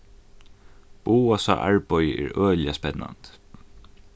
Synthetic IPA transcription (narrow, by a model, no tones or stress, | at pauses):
b̥uːasa̰ʔaɹpɔjəʔɛ̰ɹøːljaspɛnːa̰nt̪